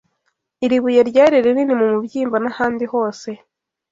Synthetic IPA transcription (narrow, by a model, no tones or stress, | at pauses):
iɾiβujaɾɟaːɾiɾeɾinimumubɟiːmbanahaːndiho̞ːse̞